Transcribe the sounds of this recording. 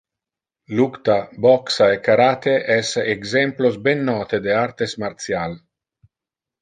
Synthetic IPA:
lukt̪abɔksaekaɾaːt̪eʔɛseɡzɛmplosbenːɔːt̪ed̪eaɾt̪esmaɾt̪sjal

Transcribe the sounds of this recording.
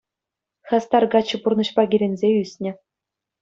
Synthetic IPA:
xʲɑst̪ɑrɡɑt͡ɕːɤ̆purnɤ̆ɕpɑɡʲiɾʲenʲzʲeysʲnʲɘ̆

